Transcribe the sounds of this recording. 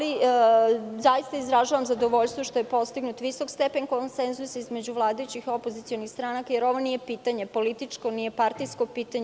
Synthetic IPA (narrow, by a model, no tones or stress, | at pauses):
li | zajist̪aizɾaʒaʋamzad̪o̞ʋo̞ʎst̪ʋoʃt̪ojepo̞st̪iɡnut̪ʋiso̞kst̪epe̞ɲkonsenzusizme̞d͡ʑuʋlˠaːd̪ajut͡ɕixo̞pozit̪io̞nixst̪ɾanakajeɾo̞ʋo̞nije̞piːt̪aɲe̞po̞lit̪it͡ʂko̞nijepaɾt̪ijskopiːt̪aɲ